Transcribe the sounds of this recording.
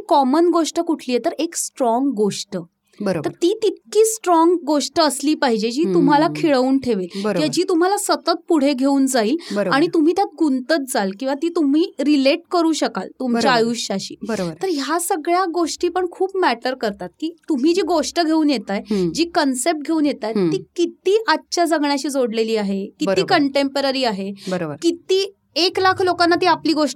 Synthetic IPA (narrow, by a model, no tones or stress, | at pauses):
kɔmənɡoʂʈəkuʈʰliːjet̪əɾeksʈɾɔŋɡːoʂʈə | bəɾob̪əɾt̪iːt̪it̪̚kiːsʈɾɔŋɡɡoʂʈəəsliːpaɦid͡ʑed͡ʑiːt̪um̤alakʰiɭəuːnʈʰeʋet̪bəɾjad͡ʑiːt̪um̤alasət̪ət̪̚puɽ̤eɡʱeuːnd͡zaiːlbəɾoaɽ̃it̪um̤iːt̪jat̪̚ɡunt̪ət̪̚d͡zalkĩw̃ʋat̪iːt̪um̤iːɾileʈkəɾuːɕəkalt̪umt͡ɕaajuɕaɕḭːbəɾobəɾt̪əɾjasəɡɭjaɡoʂʈiːpəɳkʰuːpmæʈəɾkəɾt̪at̪̚kiːt̪um̤iːd͡ʑiɡoʂʈəɡʱeuːnjet̪ajd͡ʑiːkənsep̚ʈ̚ɡʱeuːnjet̪aj̪iːkit̪iːʔatːɕad͡zəɡɳjaɕiːd͡zoɽleliːaɦekibəɾikəɳʈempəɾaɾiːaɦebəɾobəɾkit̪iː | eklakʰlokãnːat̪iːapliːɡoʂʈ